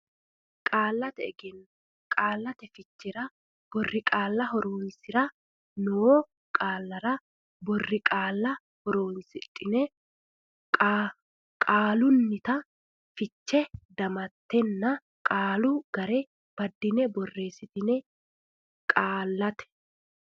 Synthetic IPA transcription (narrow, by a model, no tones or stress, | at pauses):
kʼaːlːɐt̪ɛːɡɛn | kʼaːlːɐt̪ɛfɪt͡ʃːɪɾɐ | b̥ɔrːɪkʼaːlːɐɦɔɾoːnsɪɾɐ | nɔ | kʼaːlːɐɾɐ | bɔrːɪkʼaːlːɐ | hɔɾoːnsɪt̪ʼːɪnɛ | kʼa | kʼaːlʊnːɪt̪ɐ | fɪt͡ʃːɛd̪ɐmɐt̪ːɛnːɐ | kʼaːlʊɡɐɾe | b̥ɐd̪ːɪnɛbɔrːe̞ːsːɪt̪ɪnɛ | kʼaːlːɐt̪ɛ̥